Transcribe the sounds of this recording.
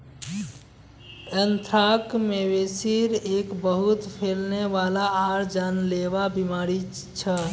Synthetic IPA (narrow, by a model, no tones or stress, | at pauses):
ənt̪ʰɾakmeβesiɾekbəɦut̪pʰelneʋalaːɾd͡ʒanleβabimaɾi | t͡ʃʰə